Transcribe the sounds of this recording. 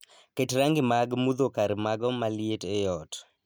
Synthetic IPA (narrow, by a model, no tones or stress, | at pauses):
ketɾaŋɡɪmaɡmud̪okaɾmaɡɔmalɪetejɔt